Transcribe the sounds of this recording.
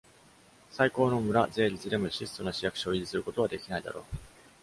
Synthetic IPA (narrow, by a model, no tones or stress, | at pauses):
saiko̞ːno̞mɯ̟ɾaze̞ːɾʲit͡sɨd̪e̞moɕisɨ̥t̪o̞naɕijakɯ̟̥ɕo̞ːiʑisɨɾɯ̟ko̞t̪oβad̪e̞kʲinaid̪a̰ɾo̞̰ː